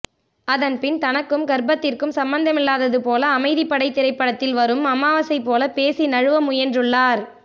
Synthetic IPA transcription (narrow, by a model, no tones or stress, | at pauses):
ɐðɐnpɪnt̪ɐnɐkːɯmɡɐɾbɐt̪ːɪrkɯmsɐmbɐnd̪ɐmɪlːaːðɐðɯpoːlɐːmɐɪðipːɐɽɐɪt̪ːɪɾɐɪpːɐɽɐt̪ːɪlʋɐɾɯmɐmːaːʋɐsɐɪpːoːlɐpeːsinɐɻɯʋɐmʊjɐndrɯɭːaːɾ